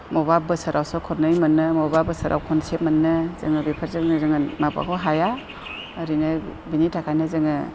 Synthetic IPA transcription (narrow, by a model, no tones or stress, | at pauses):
mɔbab̚ɯsɯɾʔawsɯkʰɔɾnɯjmɯnːɯmɔbabɯsɯɾʔa̰wkʰɔnsep̚mɯnːɯzɯ̰ŋɯbipʰaɾzɯnɯzɯŋɯmapa̰kʰɔɦajaː | ɾinɯbinitʰakʰajnɯzɯŋɯ